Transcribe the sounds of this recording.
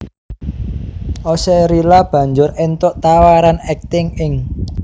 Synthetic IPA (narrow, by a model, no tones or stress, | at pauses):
ʔɔsɛɾilab̥ä̤ɲd͡ʒʊrent̪ʊʔt̪awaɾanɛk̚t̪ɪŋɪŋ